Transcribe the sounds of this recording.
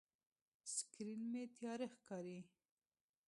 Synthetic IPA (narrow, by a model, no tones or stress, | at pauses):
skɾinmet̪jɑɾexkɑɾi